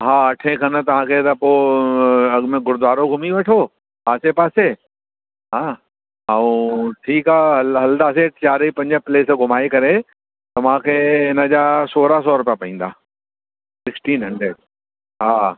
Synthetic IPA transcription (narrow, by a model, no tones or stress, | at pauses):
ɦaːɐʈʰẽkʰɐnt̪ɐʋ̤ãkʰet̪ɐpoː | ɐɡmẽɡʱʊɾd̪ʋaːɾoɡʱʊmiʋɐʈʰo | aːsepaːseː | ɦaː | aũʈʰiːkaːɦɐlɦɐld̪aːseːʈt͡ɕaːɾipɐ̃ɲd͡ʑəpleːsɡʱʊmaːikɐɾe | t̪ɐʋ̤ãkʰeːɪnəd͡ʑaːsoːɾas̬ɔːɾʊpjapɐɦĩːn̆d̪a̰ː | sɪksʈiːnɦɐ̃ɳɖɾeɖ̚ | ɦaː